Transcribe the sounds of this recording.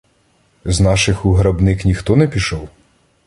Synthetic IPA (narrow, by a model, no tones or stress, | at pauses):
znɑʃɪxuɦɾɐbnɪknʲixt̪ɔnɛpʲiʃɔw